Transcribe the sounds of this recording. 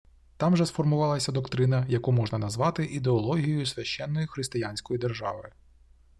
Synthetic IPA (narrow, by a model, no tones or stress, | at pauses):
t̪ɑmʒɛsfɔrmʊʋɑlˠɐsʲɐd̪ɔkt̪ɾɪnɐjɐkumɔʒnɐnɐzʋɑt̪ɪʔid̪eɔlˠɔɦʲijɔjʊsʲʋʲɐʃt͡ʃɛnːɔjixɾɪst̪ɪjanʲsʲkɔjid̪erʒɑ̰ʋɪ